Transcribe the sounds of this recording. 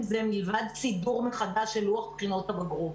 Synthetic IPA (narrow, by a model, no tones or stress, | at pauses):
zemilvad̪t͡siduʁmeχad̪aʃelʁuaχpχino̞t̪abaɡʁov